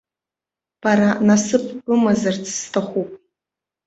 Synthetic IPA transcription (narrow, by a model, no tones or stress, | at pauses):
b̥aɾanasɨpʰʼbɨmazart͡sʰʼstʰaχʷupʼ